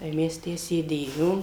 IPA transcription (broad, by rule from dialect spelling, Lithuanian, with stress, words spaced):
tɐɪ ˈmʲɛs ˈtʲæː sʲeːˈdʲeːjoːm